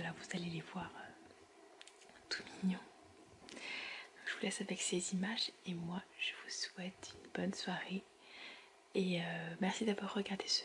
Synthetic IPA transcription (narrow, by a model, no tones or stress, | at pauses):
alavuzalelevwaʁø | t̪u̥minjɔ̃ | d̪ɔ̃kʒəvulɛsavɛksezimaʒemwaʒ̥əvuswɛt̪ynbɔnswaʁe | eømɛʁsid̪avwaʁːəɡaʁd̪esə̥